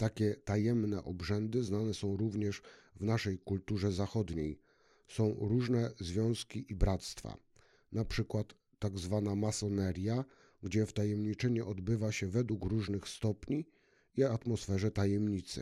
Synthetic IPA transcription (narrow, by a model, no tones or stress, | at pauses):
t̪akʲɛt̪ajɛmnɛʔɔbʐɛnd̪ɘznanɛsɔ̃w̃ɾuvɲɛʂvnaʂɛjkult̪uʐɛzaxɔd̪ɲej | sɔ̃w̃ɾuʐnɛzvʲjɔ̃w̃skʲiʔibɾat̪st̪fa̰ | napʂɘkwat̪ː | aɡzvanamasɔnɛɾʲja | ɡd͡ʑɛft̪ajɛmɲit͡ʂɛɲɛʔɔd̪bɘvaɕɛvɛd̪wukɾuʐnɘxst̪ɔpɲi | iat̪mɔsfɛʐɛt̪ajɛmɲit̪sɘ̰